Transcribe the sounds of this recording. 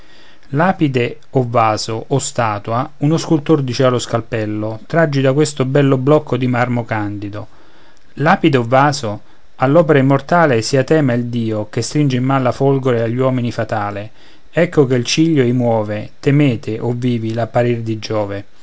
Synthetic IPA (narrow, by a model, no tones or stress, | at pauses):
laːpid̪e | ovːaːzoʔːst̪aːt̪waunʊskult̪ord̪it͡ʃialːoskalpɛlːot̪ɾad͡ʒːid̪akwest̪ʊbɛlːʊblɔkʰːod̪imarmokand̪id̪o | laːpid̪eovːaːzo | alːɔːpeɾaimːort̪aːlɪsiat̪ɛːmaild̪iːokest̪ɾind͡ʒeimːanlːafolɡoɾeaʎːwɔːminifat̪aːlɪ | ɛkːʊkeilt͡ʃiʎːoimwɔːvet̪emɛːt̪ɪʔovːiːvilapːaɾird̪id͡ʒɔːve